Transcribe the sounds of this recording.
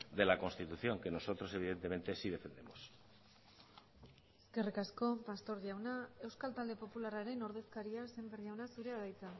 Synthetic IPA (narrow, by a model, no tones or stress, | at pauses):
d̪e̞lako̞nst̪it̪uθjo̞ŋke̞no̞so̞t̪ɾo̞se̞β̞iðe̞nt̪e̞me̞nt̪esiðe̞fe̞nd̪e̞mos | eske̞rikasko̞past̪o̞ɾðiawnae̞wskalt̪ald̪e̞po̞pularaɾe̞no̞ɾð̞e̞skaɾiase̞mberðiawnasuɾe̞aðajt͡sa